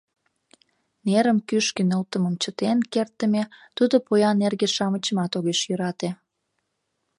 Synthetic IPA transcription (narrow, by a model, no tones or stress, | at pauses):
neɾəmkyʃkinəlt̪əməmt͡ɕət̪enkert̪ːəmet̪ud̪opojɑnerɣeʃɑmət͡ɕəmɑt̪oɣeʃjøɾɑt̪e